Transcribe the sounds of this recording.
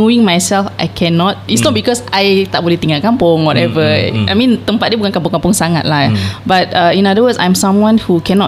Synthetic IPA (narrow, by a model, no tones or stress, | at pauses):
uĩŋmajsɛlfʔa̰jkʰɛ̃nɔt̚itsnɔt̚bikɔsajt̪aʔ̚bolɛht̪ĩŋakãmpʊ̃ŋwɔtɛvəʔa̰jmĩnt̪ə̃mpat̚diəbukãnkãmpʊ̃ŋkãmpʊ̃ŋsaŋat̚labat̚aĩnadəwəsã̰j̃msãmwãnhukɛnɔ